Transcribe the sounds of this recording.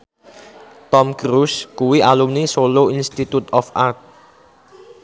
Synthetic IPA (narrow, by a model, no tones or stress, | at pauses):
t̪ɔmkɾuskuwiʔalumnisoloinst̪it̪ut̪ɔfart̪̚